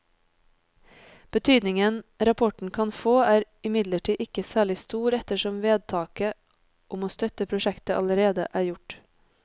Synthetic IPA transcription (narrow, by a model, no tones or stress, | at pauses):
b̥ət̪ʰyːd̪nɪŋənɾɑpʰɔʈɳ̩kʰɑnfoːæːɾ | ɪmɪd̪ləʈʰiːʔɪkəsæːɭɪst̪uːɾɛt̪əʃɔmʋeːd̪̚t̪ʰɑːkə | ʔʊmoːst̪œt̪əpʰɾʊʃɛkt̪əʔɑ̰ləɾeːd̪ə̰ʔæːjʊʈ